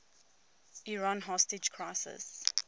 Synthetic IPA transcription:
iɹãnɦɔstɪd͡ʒkʰɹaɪsɪ̰s

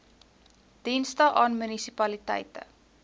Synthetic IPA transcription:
d̥instəʔɑːnmynisipɐlitɛ̰jtə̰

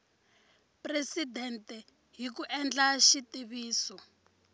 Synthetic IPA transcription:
presidɛntɛ | ɦik̬uʔɛnd͡ɮaʃitiβiːsɔ

